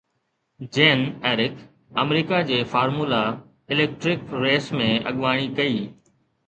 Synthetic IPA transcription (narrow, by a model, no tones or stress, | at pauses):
d͡ʑeːnɛːɾɪk | əmɾiːkad͡ʑeːfaːɾmuːla | ɪleːk̚ʈɾɪkɾeːsmẽɐ̰ɠʋaːɽ̃ikɐiː